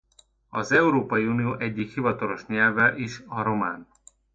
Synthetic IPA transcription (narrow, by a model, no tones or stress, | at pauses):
ɒzɛuɾoːpɒjiunioːʔɛɟːikhivɒt̪ɒlo̞ʃɲɛlvɛlʔiʃɒɾo̞maːn